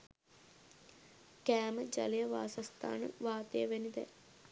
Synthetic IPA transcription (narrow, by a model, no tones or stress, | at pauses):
kæːməd͡ʒa̰lijəʋa̰ːsast̪a̰ːnə̰ʋaːt̪əjəʋenid̪ɛ̰